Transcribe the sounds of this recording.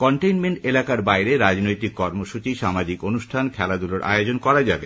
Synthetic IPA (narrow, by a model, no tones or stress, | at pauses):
kɔɳʈejnmeɳʈelakaɾbajɾeɾad͡ʑnojt̪ikːɔɾmoʃut͡ɕiʃamad͡ʑikonuʃʈʰankʰɛlad̪uloɾʔa̰eod͡ʑonkɔɾad͡ʑabe